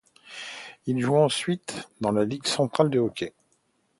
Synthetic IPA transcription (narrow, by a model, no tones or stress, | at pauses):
ilʒuɑ̃sɥit̪d̪ɑ̃laliɡsɑ̃t̪χald̪eɔkʲe